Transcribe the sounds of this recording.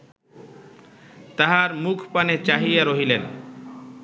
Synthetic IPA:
t̪aɦaɾmukʰpanet͡ɕaɦijaɾoɦilen

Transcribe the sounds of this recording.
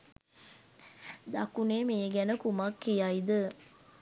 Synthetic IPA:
d̪akuneːmeːɡænəkumakːijaid̪ə

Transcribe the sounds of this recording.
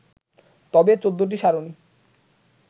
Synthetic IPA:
t̪ɔbet͡ɕod̪ːoʈ̬iʃaɾoni

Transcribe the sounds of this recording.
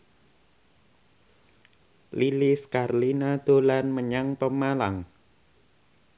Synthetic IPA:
liliskarlinad̪̥o̤lanməɲaŋpəmalaŋ

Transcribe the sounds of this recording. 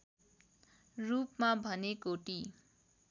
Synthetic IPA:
rupmabʱʌnekoʈi

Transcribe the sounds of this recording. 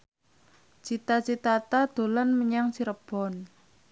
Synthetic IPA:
t͡ʃit̪at͡ʃit̪at̪ad̪̥o̤lanməɲaŋsiɾəb̥ɔ̤n

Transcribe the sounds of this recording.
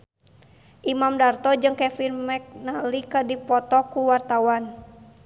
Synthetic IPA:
ʔimamdart̪ɔd͡ʒɨŋkɛfirmɛk̚nalikədipɔt̪ɔkuwart̪awan

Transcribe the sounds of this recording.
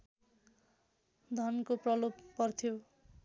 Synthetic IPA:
d̪ʱʌnkoprʌlopːʌrt̪ʰjo

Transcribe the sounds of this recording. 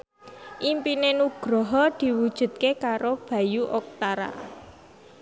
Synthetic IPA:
ʔimpinenuɡ̥ɾɔɦɔd̪̥i̤wud̥ʒ̥ṳt̪̚kekaɾob̥ä̤juʔok̚t̪aɾa̰

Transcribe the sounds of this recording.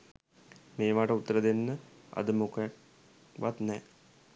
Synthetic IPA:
meːʋaːʈəut̪ːəɾəd̪enːə | ɐ̰d̪əmokə | ʋa̰t̪nɛː

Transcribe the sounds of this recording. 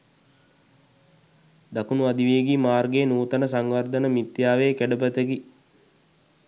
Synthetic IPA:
d̪akunuad̪iʋejeɡimaːrɡeːnuːt̪ənəsaŋʋard̪ənəmit̪jaːʋeːkæɖəp̬ət̪əɡi

